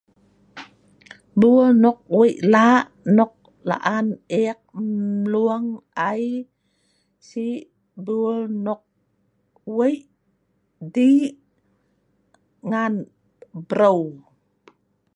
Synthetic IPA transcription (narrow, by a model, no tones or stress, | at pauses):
bulnɔk̚wəjʔlaʔ | nɔk̚ | la̰ʔanek̚luaŋaj | si | bulnɔk̚ | wəjʔ | di | ŋan | bɾow